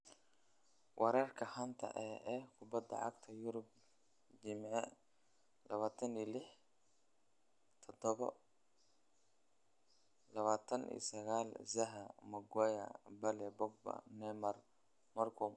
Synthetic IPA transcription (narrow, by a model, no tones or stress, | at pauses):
wʔɑɾɐrkʰɐhɐnt̪ʰɐ̰ʔɛʔɛhkʰʊbɐd̪ɐ̰ʕɑ̰ɡt̪ʰɐjʊɾʊb̚ | d͡ʒɪmʕɛ | lɐβaːt̪ʰɐnilɪħ | t̪ʰɔd̪ɔβɔ̰ | lɐβaːt̪ʰɐnḭːsɐɣaːlzɛɦɐmɐɡɔjɐ̰bɐlɛbɔɡ̚bɐ̰nɛmɐr | mɐrkʰu